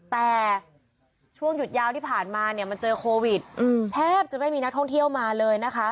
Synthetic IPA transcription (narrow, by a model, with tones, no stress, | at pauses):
t̪ɛː˨˩ | t͡ɕʰu˥˩əŋju˨˩t̪̚jaː˧˩wt̪ʰiː˥˩pʰaː˨˩nmaː˧ni˥˩ɐma˧nt͡ɕɤː˧kʰoː˧wi˨˩t̪̚ʔɯː˧˩mt̪ʰɛː˥˩p̚t͡ɕa˨˩ma˥˩jmiː˧na˦˥kt̪ʰɔ˥˩ŋt̪ʰi˥˩əwmaː˧lɤː˧jna˦˥kʰa˦˥ʔ